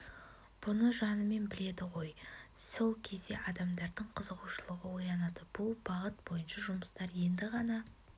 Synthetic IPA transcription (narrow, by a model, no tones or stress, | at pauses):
b̥ʊnəʒɑnəme̞nbɪle̞d̪ɪʁo̞jso̞lˠkʲʰe̞zd̪e̞̰ʔɑd̪ɑmd̪ɑɾd̪əɴqʰəzəʁuʃəlˠəʁəwo̞jɑnɑd̪əb̥ʊlˠbɑʁət̪̚b̥o̞jənʃɑʒʊməst̪ɑɾje̞nd̪ɪʁɑnɑ